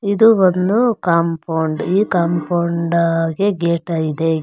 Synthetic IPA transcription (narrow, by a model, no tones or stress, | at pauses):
id̪uʋond̪ukaːmpɐwɳɖiːkaːmpɐwɳɖɡe̞ɡeːʈɐid̪e